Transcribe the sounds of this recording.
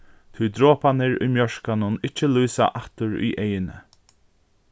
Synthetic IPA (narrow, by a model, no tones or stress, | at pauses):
t̪ʰud̪ɾoːpanɪɹʊ̰jmjœɹkanʊnɪt͡ʃːɪlujsa̰ʔaht̪ʊɹṵjʔejɪnə̰